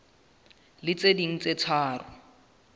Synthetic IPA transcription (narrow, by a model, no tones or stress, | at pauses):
lɪt͡sediŋ̩t͡set͡sʰaːrʊ